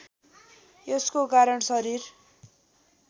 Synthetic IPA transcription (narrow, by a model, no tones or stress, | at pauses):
eskokaɾʌɳsʌɾir